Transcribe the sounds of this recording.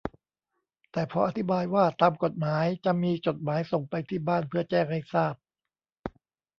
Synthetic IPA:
t̪ɛː˨˩pʰɔ˧ʔa˧t̪ʰi˦baː˧jwaː˥˩t̪aː˧mko˨˩t̪̚maː˩˦jt͡ɕa˨˩ʔmiː˧t͡ɕo˨˩t̪̚maː˩˦jso˨˩ŋpa˧jt̪ʰiː˥˩baː˥˩npʰɯ˥˩ɐt͡ɕɛː˥˩ŋha˥˩jsaː˥˩p̚

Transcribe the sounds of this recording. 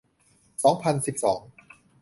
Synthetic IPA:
sɔː˩˦ŋpʰa˧nsi˨˩p̚sɔː˩˦ŋ

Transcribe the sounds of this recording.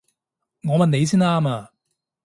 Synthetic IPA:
ŋɔː˨˧mɐ˨˧nːe˨˧js̬i˥naː˧ma˨

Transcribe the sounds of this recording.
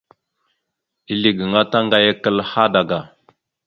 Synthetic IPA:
i˦li˨ɡə˨ŋa˦ta˦ŋɡa˦ja˦kə˦˨lha˦da˨ɡa˨

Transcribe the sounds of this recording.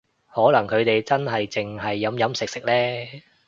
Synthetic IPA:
hɔː˨˥lɐ˨˩ŋkʰɵ˨˧ɥt̪e˨jt͡sɐ˥nɦɐ˨jt͡sɪ˨ŋɦɐ˨jːɐ˨˧mjɐ˨˥msɪ˨k̚sɪ˨k̚lɛː˥

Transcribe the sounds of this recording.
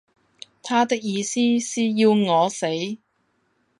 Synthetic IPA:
t̪ʰaː˥t̪ɪ˥k̚jiː˨˧siː˥siː˨jiː˧wŋɔː˨˧se˨˥j

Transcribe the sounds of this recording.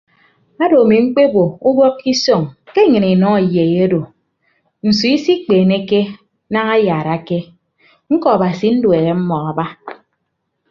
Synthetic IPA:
a˦do˨a˨mi˨ŋ͡m̩˦k͡pe˦bo˨u˦bɔ˦kːi˦so˦˨ŋke˦ɲɨ˨ni˨nɔ˦a˨je˨je˦do˨ | n̩˨su˨˦i˦si˦k͡peː˨ne˦ke˦ | na˦ŋa˦jaː˨ɾa˨ke˦ | ŋ̩˦kɔ˨a˨ba˨si˨˦n̩˦dwe˨ɣe˨m̩˦mɔ˨a˨ba˦

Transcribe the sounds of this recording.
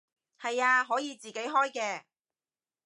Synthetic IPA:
hɐ˨jaː˧ɦɔː˨˥jiː˨˧t͡siː˨ke˨˥jɦɔː˥jkɛː˧

